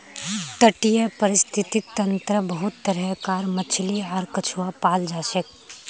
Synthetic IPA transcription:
t̪əʈijəpəɾɪst̪ʰit̪it̪ːɐnt̪ɾəbəɦut̪ːəɾəɦkaːɾmət͡ʃʰliaɾkət͡ʃʰuwapaːld͡ʒaːsek̚

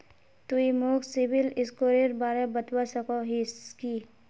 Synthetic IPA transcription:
t̪uimoːksibilɪskoːɾeɾbaːɾebət̪wasɐkoɦiski

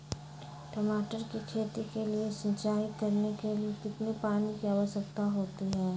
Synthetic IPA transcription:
ʈəmaːʈəɾkikʰeːt̪ikeliesə̃nt͡ʃaːɪt̪̚kɐɾnekeliekɪt̪nepaːnikiaːʋəʃəkt̪aɦoːt̪iɦɛː

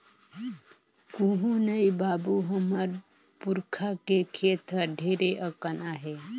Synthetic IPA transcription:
kũɦũnəibabuɦəməɾ | puɾkʰakekʰet̪ʰəɾɖʱeɾeʔəkənaɦe

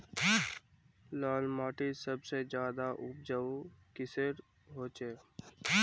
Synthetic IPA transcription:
laːlmaːʈisəbsed͡ʒjaːd̪aʔʊp̚d͡ʒəkɪsəɾ | ɦoːt͡ʃeː

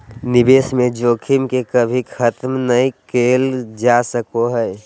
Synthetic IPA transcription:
nɪbeːsmẽd͡ʒoːkʰimkekəbʱikʰət̪mnəĩkeːld͡ʒasəkoɦɛe

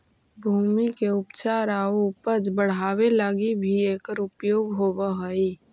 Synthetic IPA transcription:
bʱuːmikeʊpt͡ʃaːɾaːupəd͡ʒbəɽ̤aːwelaːɡibʱieːkəɾʊpjoːɡɦoːbaɦəi

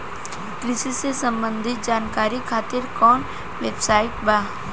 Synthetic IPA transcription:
kɾɪsisesə̃mbə̃nd̪ʱɪt̪̚d͡ʒaːnkaːɾikʰaːt̪ɪɾkɔːn | weːbsaːɪt̪̚baː

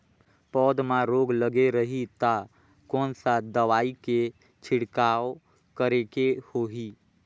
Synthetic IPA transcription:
pɔːd̪mãɾoːɡləɡeɾəɦit̪a | kɔːnsad̪əʋaːike | t͡ʃʰɪɽkaːo | kəɾekehoːɦi

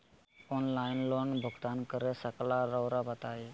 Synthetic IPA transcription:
oːnlaːɪnloːnbʱʊɡt̪aːnkəɾesəklaːɾəːɾaːbət̪aːeː

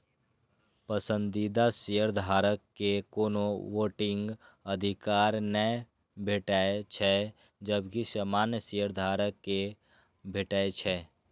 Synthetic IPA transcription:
pəsə̃nd̪id̪asijəɾd̪ʱaːɾəkːekoːnowoːʈɪ̃ŋɡəd̪ʱikaːɾnɛ | bʱeʈaːet͡ʃʰɛ | d͡ʒəbkisəmaːnjəsijəɾd̪ʱaːɾəkːe | bʱeʈaːet͡ʃʰɛ

